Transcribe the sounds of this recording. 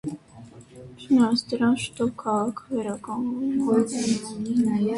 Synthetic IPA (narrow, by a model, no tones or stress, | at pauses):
t͡ʃʰənɑsd̪əɾɑnʃt̪ɔpkʰɑʁɑkʰəvɛɾɑkɑnvu